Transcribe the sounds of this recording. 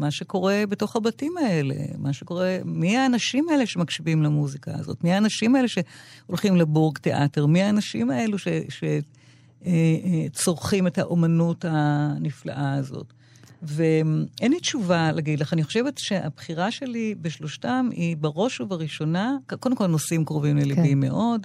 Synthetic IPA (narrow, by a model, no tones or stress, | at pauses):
maʃe̞ko̞ʁe̞beto̞χhabatimae̞le̞̰maʃeko̞ʁemiaːnaʃimae̞leʃemakʃivimlamuzika̰a̰zo̰tmiaːnaʃimaele̞ʃe̞olχimlebuʁɡteʔa̰teʁmiaːnaʃḭmae̞luʃeʃe | et͡so̞ʁχimetaʔo̞manutanifla̰ʔaːzo̰t | veenlit͡ʃuvalaɡid̪leχaniχoʃevetʃe̞ʔa̰bχiʁaʃe̞libeʃlo̞ʃtamibaʁo̞ʃuvaʁiʃo̞nakkodemko̞lnosimkʁovimlelibimːḛʔo̞d